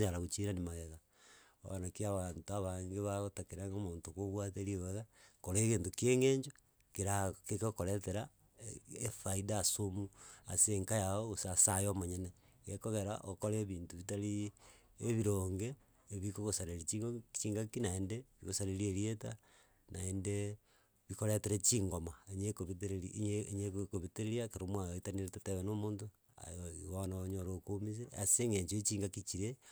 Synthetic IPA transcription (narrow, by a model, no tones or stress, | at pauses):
ɲaɾaɣot͡ʃiɾanimaɣeɣa | o̰anakiaβantoaβaŋɡeβaɣotakeɾaŋɡomoːntokoβwat̬eɾieβeɣakoɾekeːntokeŋeːɲd͡ʒo | keɾakekokoɾeteɾa | efaidasomua̰seŋkajaoosasajomoɲene | ɣekoɣeɾa̰ʔokoɾeβiːntuβitaɾiː | βiɾoːŋɡeː | βikoɣosaɾeɾit͡ʃit͡ʃiːŋɡakinaendeβiɣosaɾeɾieɾieta | naende | βikoɾeteɾet͡ʃiŋɡomaeɲekoβiteɾeɾiɲeɲekkoβiteɾeɾiakeɾomwaoitaniɾetateβenomoːnto | a̰joiwanaɲoɾoːkomisea̰seŋɡeɲt͡ʃoit͡ʃiːŋɡakit͡ʃiɾe